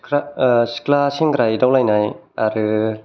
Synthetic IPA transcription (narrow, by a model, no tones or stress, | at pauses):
askʰlasʰiŋkɯɾajdawlajnaj | aɾɯ